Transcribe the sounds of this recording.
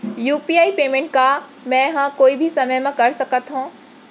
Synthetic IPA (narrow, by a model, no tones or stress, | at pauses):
juːpiːaːipeːmẽːɳʈ̚ka | mɛ̃ɦãkoːibʱisɐməjmãkɐɾsɐkət̪ɦũː